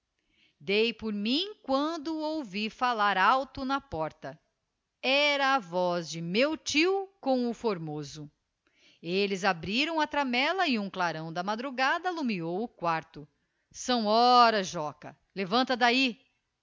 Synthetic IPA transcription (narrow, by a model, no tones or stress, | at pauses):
d̪ejpoɾmĩkwɐ̃nd̪ʊowvifalaɾawt̪ʊnɐpɔɾt̪ɐ | ɛɾɐːvɔzd͡ʒɪmewt͡ʃiwkõw̃ʊfoɾmozʊ | elɪzabɾiɾɐ̃w̃ɐt̪ɾamɛlɐɪũklaɾɐ̃w̃d̪ɐmad̪ɾuɡad̪ɐːlumiowʊkwaɾt̪ʊ | sɐ̃w̃ɔɾɐʒɔkɐ̰ | levɐ̃nt̪ɐd̪ai